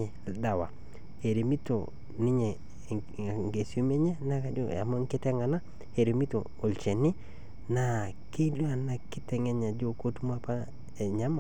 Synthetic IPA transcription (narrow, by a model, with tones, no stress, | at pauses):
e˨lda˨wa̰˨ | he˨ɾe˨mi˦to̰˨ | nɪ˦ɲe˨ | ŋɡe˨so˦me˦ɲe˦na˦ka˨d͡ʒo˦a̰˨mo˦ŋ˦kɪ˦tɛ˦ŋa˨na˦ | e˨ɾe˨mi˦to̰˨ | o˨lt͡ʃe˨nɪ˦ | na˨ | ke˦lu˦a˨na˨kɪ˦tɛ˨ŋe˦ɲa˨d͡ʒo˦ko˦tu˦m˦a˦pa˦ | e˨ɲa˦ma˨